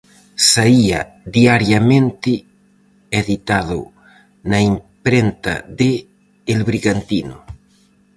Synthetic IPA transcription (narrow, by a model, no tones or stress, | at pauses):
saia | ðiaɾjamẽnt̪ɪ | eðit̪aðʊ̰ | naimpɾent̪a̰ðe | elβɾiɣant̪inṵ